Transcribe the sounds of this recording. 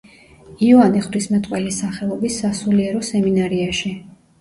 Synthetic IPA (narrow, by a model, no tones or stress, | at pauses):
iɔaniχvɾismɛt̪ʼqʼwɛlisaχɛlˠɔbisːasuliɛɾɔsɛminaɾiaʃi